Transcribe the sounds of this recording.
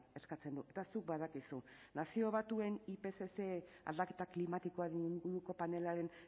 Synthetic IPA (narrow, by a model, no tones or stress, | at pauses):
e̞skat͡se̞nd̪ue̞t̪asuk̚bað̞akisu | nasio̞β̞at̪ue̞nipe̞sese | a̰ld̪ake̞t̪aklimat̪iko̞aðiŋɡuɾuko̞pane̞laɾe̞n